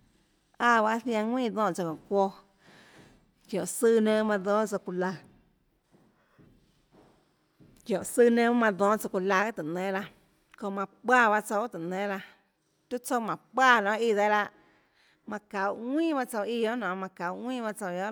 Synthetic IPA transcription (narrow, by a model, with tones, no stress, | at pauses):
a˧˨βa˧˦θj̃ã˧ŋʷĩː˦˨d̪ɔ̃ː˧ʔt͡so˧kõ˨kʷo˧ | kjõ˨sɨ˧nə̃˧˦mã˧d̪ɔ̃ː˦t͡so˧ku˧la˧ | kjõ˨sɨ˧nẽ˧˦mã˧d̪ɔ̃ː˦t͡so˧ku˧la˧a˦t̪ɨ˨nẽ˧˦la˧ | kõ˧˨mã˧k͡paː˦˧βa˧t͡so˧˦t̪ɨ˨nẽ˧˦la˧ | t̪u˦t͡so˧˨mã˨pʷaː˧˨nɔ̃˨˦i˧˨ðe˧˦la˧ʔ | mã˧ka˨wʔŋʷĩː˦˨ba˦˧t͡so˧wi˧o˦nɔ̃˨mã˧ka˨wʔŋʷĩː˦˨ba˧t͡so˧˨i˧o˦